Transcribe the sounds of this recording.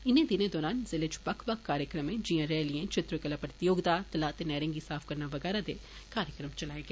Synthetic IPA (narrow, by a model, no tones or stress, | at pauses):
ɪnẽd̪ɪnẽd̪ɔːɾaːnzɪled͡ʒbɐkʰbɐkkːaːɾjəkɾəmẽd͡ʒijãɾɛːlɪẽt͡ʃɪt̪ɾokəlaːpɾət̪ɪjoːɡd̪aːt̪ɐlaːt̪enɛːɾɪ̃ŋɡisaːfʰkɐɾnaʋɐɡɛːɾad̪e | kaːɾjəkɾəmt͡ʃɐlaːeɡeː